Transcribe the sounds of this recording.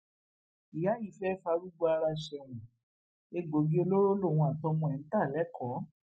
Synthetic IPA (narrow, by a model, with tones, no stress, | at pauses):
i˨ja˨˦ji˨˦fɛ˦fa˧˦ɾu˦ɡ͡bo˦a˧ɾa˧ʃɛ˨ɾ̃ũ˨ | e˧ɡo˨ɡe˦o˦lo˦ɾo˦lo˦˨w̃ũ˧a˨tɔ̃˧mɔ̃˧ɛ˨n̩˨˦ta˦˨lɛ˨˦kʰɔ˨˦